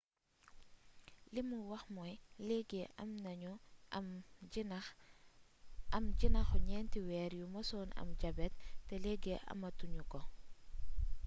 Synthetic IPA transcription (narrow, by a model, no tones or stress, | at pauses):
limuwɐxmɔjleɡeʔɐmnɐɲɔmn | ɐmɟinɐxɔɲɛːntiwɛːɾjumɐsɔːnɐ̰mɟabɛtːɛleɡeʔɐ̰mɐtuɲukɔ